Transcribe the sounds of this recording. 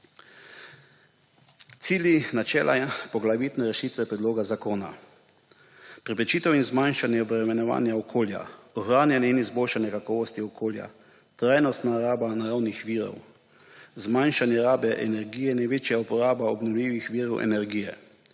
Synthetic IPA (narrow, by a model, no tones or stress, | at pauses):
t̪siːljinat͡ʃɛːlʔapɔɡlaʋit̪nɛɾɛʃiːt̪ʋɛpɾɛd̪loːɡazakoːna̰ | pɾɛpɛt͡ʃiːt̪ɛwinzmanʃanjɛɔbɾɛmɛnɔʋa̰ːnjaɔkʰoːlja̰ɔxɾaːnjanjɛinizboːlʃanjɛkakɔːʋɔst̪iɔkʰoːlja̰ | t̪ɾaːjnɔst̪naɾaːbanaɾawnixʋiːɾɔ̰w | zmajnʃanjɛɾaːbɛʔɛ̰nɛɾɡiːjɛnajʋeːt͡ʃjaupɔɾaːbaɔbnɔwlʲiːʋixʋiːɾɔwʔɛ̰nɛɾɡiːjɛ̰